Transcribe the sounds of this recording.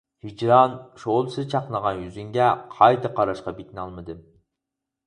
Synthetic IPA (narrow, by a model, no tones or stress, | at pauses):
hid͡ʒɾɑnʃolˠsɨzt͡ʃʰɑqnˠəʁɑnjyzyŋɡʲɛqʰɑjt̪ɨqʰɑɾɑʃqɑbekʲinɑlˠmɨd̪ɨm